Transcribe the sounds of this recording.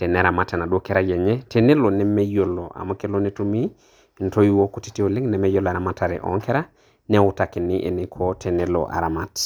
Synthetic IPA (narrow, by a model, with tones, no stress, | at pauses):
tɛ˨nɛɾa˨ma˦ta˨na˨dwo˦kɛ˦ɾa˦jɛ˨ɲɛ˦tʰe˨ne˦lo˨nɛ˦mɛ˦jo˨lo˨ʔa̰˨ma˦ke˦lo˦nɛ˦tu˦mi˦˨ | nto˦i˦wo˦koti̥˦ti˦o˨lɪ˦ŋnɛ˨mɛ˦jo˦la˨ɾa˨ma˦ta˨ɾɛ̰˨ʔɔ̰˨˦ŋkɛ˦ɾa˦ | nɛ˦ʊ˨ta˨kɪ˨nɪ˦ʔḛ˨nɪ˦kʰotʰe˨ne˦lo̰ʔa̰˨ɾa˨ma˨t